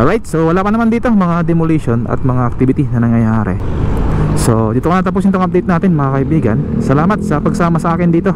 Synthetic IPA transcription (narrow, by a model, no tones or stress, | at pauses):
ɾajt̪̚soalapanəmandit̪ohmaŋadimuliʃɔna̰t̪̚maŋaːk̚t̪ibit̪inanaŋajaaɾɛ̰ | sod͡ʒit̪ukanat̪̬ap̬usint̪ɔŋap̚det̪̚nat̪inmakajbiɡa̰nsəlamat̪̚sapəksamasakɛndit̪oh